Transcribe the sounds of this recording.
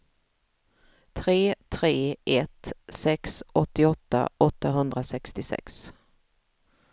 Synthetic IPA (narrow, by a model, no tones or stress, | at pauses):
t̪ʰɾeːt̪ʰɾeːʔɛt̪sɛksɔt̪ːɪɔt̪ːa̰ɔt̪ːaɦɵnd̪ɾasɛkst̪ɪsɛ̰ks